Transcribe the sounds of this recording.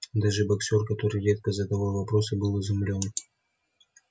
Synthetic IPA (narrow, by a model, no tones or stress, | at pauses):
d̪aʐɨbɐksʲo̞rkɐt̪o̞ɾɨjɾʲe̞t̪̚kəzəd̪ɐvalˠvɐpɾo̞səbɨlˠɨzʊmlʲo̞n